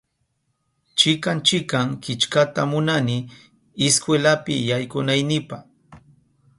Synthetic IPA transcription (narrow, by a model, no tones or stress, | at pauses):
t͡ʃɪkant͡ʃɪkaŋkɪt͡ʃkat̪amʊnanɪ | ɪskwelapɪjajkʊnajnɪpah